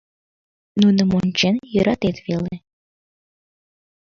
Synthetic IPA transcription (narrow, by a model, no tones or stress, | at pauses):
nunə̆monʲt͡ɕenjøɾɑt̪et̪vele